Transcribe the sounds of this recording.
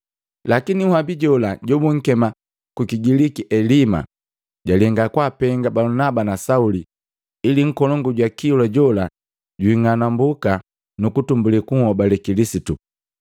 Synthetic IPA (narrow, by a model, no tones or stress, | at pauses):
lakinihwabiɟɔlaɟɔbuŋ̩kɛma | kukiɡilikiʔɛlima̰ | ɟalɛŋɡakwapɛŋɡabalunabanasauli | iliŋ̩kɔlɔŋɡuɟwakiulaɟɔla | ɟiŋanambuka | nukutumbulikuhɔbalɛkilisitu